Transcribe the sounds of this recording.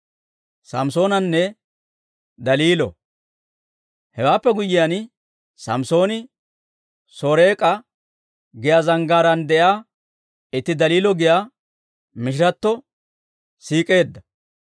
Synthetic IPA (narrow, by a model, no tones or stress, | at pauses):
sɐ̰mso̞ːnɐnːɛ | d̪ɐliːlɔ̰ | hɛwaːpːɛɡʊjɪjan | sɐ̰mso̞ːnɪ | soːɾe̞ːkʼɐ | ɡɪjaːzɐŋɡaːɾɐnd̪ɛʔjaː | ɪt̪ːɪd̪ɐliːlɔɡɪjaː | mɪʃ̬ɪɾɐt̪ːɔ | siːkʼe̞ːd̪ːɐ